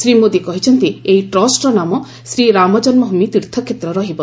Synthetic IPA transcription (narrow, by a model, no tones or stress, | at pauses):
sɾimod̪ikɔɦit͡ʃʰɔnt̪iejʈɾɔsʈɾɔnamɔ | sɾiɾamɔd͡ʒɔnmɔɦumit̪iɾt̪ʰɔkʰjet̪ɾɔɾɔɦibɔ